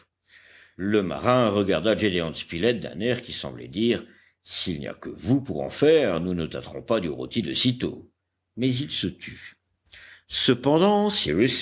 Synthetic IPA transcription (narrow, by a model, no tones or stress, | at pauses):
ləma̰ʁɛ̃ʁəɡaʁd̪ad͡ʒed̪eɑ̃spilɛt̪̚d̪ɛ̰̃nɛʁkʲisɑ̰̃blɛ̰d̪iːʁ | silnḭa̰kəvupuʁɑ̰̃fɛʁnunət̪at̪ʁɔ̰̃pad̪yʁo̰t̪id̪əsit̪o̰ | mɛzilsət̪ʰy | səpɑ̃d̪ɑ̃siʁys